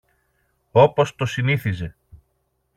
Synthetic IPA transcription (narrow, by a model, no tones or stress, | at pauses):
o̞po̞st̪o̞siniθize̞